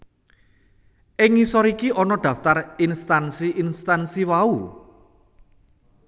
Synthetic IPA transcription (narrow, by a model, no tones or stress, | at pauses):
ʔɪŋisɔɾikiɔnɔɖ̪̥a̤ft̪arinst̪ansiʔinst̪ansiwau